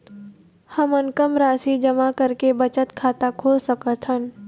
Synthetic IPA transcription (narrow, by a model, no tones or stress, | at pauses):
həmənkəmɾaːsid͡ʒɐmakɐɾkebɐt͡ʃət̪kʰaːt̪akʰoːlsɐkət̪ɦən